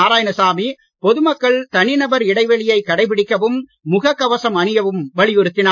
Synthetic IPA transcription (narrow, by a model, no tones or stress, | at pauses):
aːɾaːjɐnɐsaːmi | pɔðɯmɐkːɐɭt̪ɐnɪnɐbɐɾɪɽɐɪʋɐɭɪjɐɪkːɐɽɐɪp̬ɪɽɪkːɐʋɯmːʊɣɐkːɐʋɐsɐmɐnɯjɐʋɯmʋɐɭɪjɔɾɯt̪ːɪnaː